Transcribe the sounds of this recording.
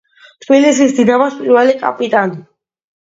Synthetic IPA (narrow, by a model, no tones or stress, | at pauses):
t | t̪ʰbilisisd̪inamɔspʼiɾvɛlikʼa̰pʼit̪ʼani